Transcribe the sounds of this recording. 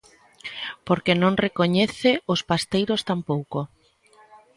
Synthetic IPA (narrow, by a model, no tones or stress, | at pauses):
poɾkenõŋrekoɲeθeʊspast̪ejɾost̪ampowko